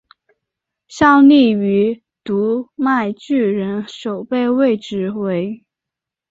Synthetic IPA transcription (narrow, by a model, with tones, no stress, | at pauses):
ɕjɑ˥˧ʊli˥˩y˧˥ | t̪u˧˥ma˥˧ɪt͡ɕy˥˩ɻə˧˥nʂo˨˩ʊpe˥˧ɪwe˥˩ɪʈ͡ʂɻ̩˧˥we˧˥ɪ